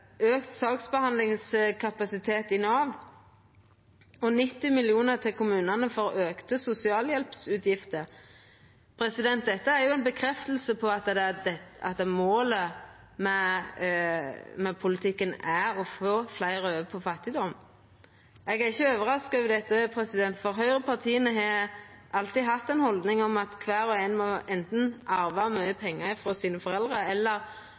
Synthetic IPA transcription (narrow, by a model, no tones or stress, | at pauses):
øːkt̪sɑːksbəhɑnd̪lɪŋskʰɑpɑsɪt̪ʰeːt̪ɪnɑːʋ | ɔnɪt̪ːɪmɪlɪuːnəʁt̪ʰɪlkʰʊmʉːnənəfɔɾøːkt̪əsʊsɪɑːljɛlpsʉːt̪ʰjɪft̪ə | pʰɾɛsɪd̪ɛnt̪̚d̪ɛt̪ːəæɾjʊɛɪnbəkʰɾɛft̪əl̩səpʰɔɑt̪d̪ɛɑ̰t̪̚d̪ɛmoːlə | mɛ | mɛpʰʊlɪt̪ʰɪkːənæɔfoːflæɪɾəøːʋəpʰɔfɑt̪ːɪd̪ɔm | ɛɡæʁɪçːəøːʋəɾɑskʋɪd̪ɛt̪ːəpʰɾɛsɪd̪ɛnt̪fɔɾɦœʏʁəpʰɑʁt̪ʰiːənəɦɑʔɑlt̪ɪɦɑt̪ːɛnhɔld̪nɪŋɔmɑt̪kʰʋæːɾɔɛnmɔʔɛnt̪n̩ʔɑɾʋɑmœʏəpʰɛŋːəɾɪfɾoːsiːnəfɔɾɛld̪ʁəɛlːəɾ